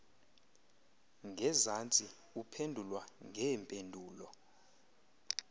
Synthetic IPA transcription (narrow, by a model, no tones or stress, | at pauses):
ŋɡʱɛzant͡sʼi | upʰendʱulwaŋʱɛːmpʼendʱuːlɔ